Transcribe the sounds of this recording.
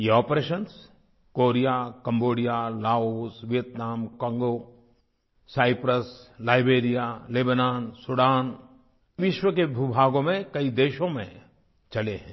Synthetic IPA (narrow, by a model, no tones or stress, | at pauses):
jeɔːpɾeːʃəns | koːɾijakɐ̃mboːɽijalaːoːsʋɪjət̪naːmkɔ̃ːŋɡo | saːɪpɾəslaːɪbeːɾijaleːbənaːnsʊɽaːn | ʋɪʃwəkebʱubʱaːɡõmẽkɐid̪eːʃõmḛ̃ | t͡ʃɐleɦɛ̃ː